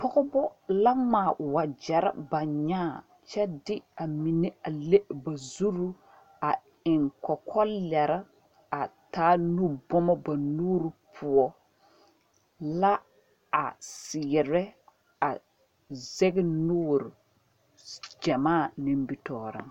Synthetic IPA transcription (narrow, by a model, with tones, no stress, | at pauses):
pɔ˦ɣɔ˦bɔ˦la˦maː˨wa˨d͡ʒɛ˨ɾa̰˦ba˨ɲaː˦˨ | t͡ʃɛ˦dɪ˦a˨mi˨ne˦a˨le˦ba˨zu˦ɾu˦ | a˨ | ɪ˨ŋkɔ˨kʰɔ˦lɛ˨ɾa˦ | a˨taː˦nu˦bɔ˦mɔ˦ba˨nuː˦ɾi˨pʰʊ˨ɔ˦ | la˦ | a̰˨sɪ˨ɛ˨ɾɛ˦ | a˨ | zɛ˦ɡɪ˦nuː˦ɾɪ˨ | d͡ʒɛ˨maː˦˨nɪ˦mbi˦tɔː˨ɾɪ̰˨ŋ